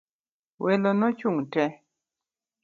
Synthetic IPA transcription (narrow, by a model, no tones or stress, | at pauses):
wʔelonɔt͡ʃuŋtɛ